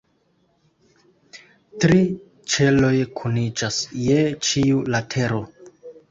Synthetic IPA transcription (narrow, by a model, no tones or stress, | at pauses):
tɾi | t͡ʃe̞lo̞jkʰunid͡ʒasjet͡ʃiulatʰe̞ɾo̞